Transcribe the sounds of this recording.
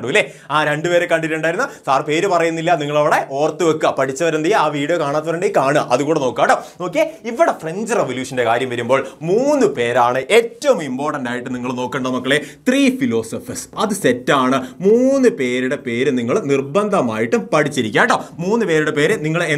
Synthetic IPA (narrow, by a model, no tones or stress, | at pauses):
ɽulːe | aːɾeɳɖɨpe̞ːɾekːɐɳɖieɳɖaːjiɾunːɐsaːrpe̞ːɾupɐrɐjunːilːɐniŋːɐɭɐʋiɽe̞ʔo̞ːrt̪ːɨʋɐkːɐpɐʈʰit͡ɕːɐʋɐɾend̪ijaːʋiːɽijokaːɳaːt̪ːɐʋɐɾɐɳɖejikaːɳɨʔɐ̰ðukuːɽeno̞ːkːaːɳɖoːno̞ːk̬ːeiʋːiɽefreɲd͡ʑɨreʋoljuːʂɐnde̞kaːɾjɐmʋɐɾumbo̞ːɭmuːnːɨpe̞ːɾaːɳɨʔeːtːɐʋumimpo̞ːrʈɐnɖaːjiʈːɨniŋːɐɭno̞ːkːeɳɖɐðmɐkːɐɭet̪riːfilo̞ːsɐfɐsɐðɨsetːaːɳɨmuːnːɨpe̞ːɾuɽe̞pe̞ːɾɨniŋːɐɭnirbɐnd̪ʱɐma̰ːjiʈːumpɐʈʰit͡ɕːiɾikʲːaːɖomuːnːɨpeːɾuɽe̞pe̞ːɾɨniŋːɐɭe